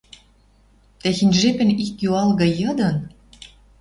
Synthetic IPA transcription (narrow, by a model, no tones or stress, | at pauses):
t̪æxinʲʒepɘ̆nikjuɑlɣɤ̆jɤ̆d̪ɤ̆n